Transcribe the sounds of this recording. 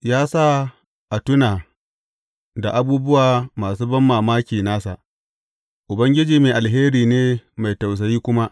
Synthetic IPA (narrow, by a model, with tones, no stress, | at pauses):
jaː˦sa˦ | ʔa˨tʊ˦naː˨ | da˨ʔa˨buː˦bʊ˦waː˨maː˨suː˦bɐ˦mːaː˨maː˦kʲiː˨naː˦sa̰˨ʔ | ʔʊ˨bɐ˦ŋɡʲɪ˦d͡ʒiː˨meː˨ʔa˨lɦeː˦ɾiː˨neː˦ma˨jta˨ws̬ɐ˨jiː˦kʷʊ˦ma˦ʔ